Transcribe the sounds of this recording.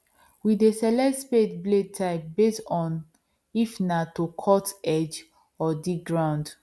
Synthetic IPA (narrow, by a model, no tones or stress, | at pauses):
widesɛlɛspetbled̚tʰaɪp̚bestɔ̃n | ifnatokʰɔtɛd͡ʒ | ɔdiɡɹãʊ̃nd